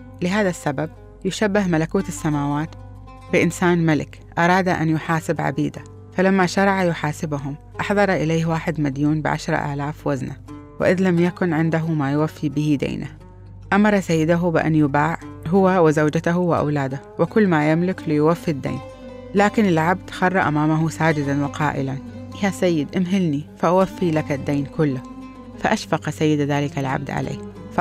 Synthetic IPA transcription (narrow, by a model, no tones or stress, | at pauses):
lɪɦaːðasːabab̚ | jʊʃabːɪhmalakuːt̪ɪsːamaːwaːt̪ | bɪʔɪnsaːnmalɪ̰k | ʔɑɾˤɑːd̪aʔa̰njʊħaːsɪbʕa̰biːd̪a | falamːaʃɑɾˤɑʕajʊħaːsɪbʊɦʊm | ʔɑħðˤɑɾˤʔɪleːwaːħɪd̪mad̪juːnbɪ̰ʕa̰ʃɾˤɑ̰ʔa̰ːlaːfwazna | wɪ̰ʔɪðlamjakʊnʕɪnd̪aɦʊmajʊwafːibɪhid̪a̰jnʔa | ʔamɑɾˤɑsajːɪd̪aɦʊbɪʔa̰njʊbaːʕɦʊwːawɪzawd͡ʒat̪aɦuwɪʔa̰wlaːd̪a | wɪkʊlːmajɪmlɪklɪjwafːid̪ːḛːn | laːkɪnɪlʕab̚d̪̥xɑrˤːɑʔamaːmaɦusaːd͡ʒɪd̪anwɪqɑ̰ːʔɪ̰lanʔjasajːɪd̪ʔɪmɦɪlnifaʔawafːilakad̪ːaːnkʊlːa | faʔaʃfɑqsajːɪd̪aðaːlɪkalʕa̰b̚d̪ʕa̰lʔḛːf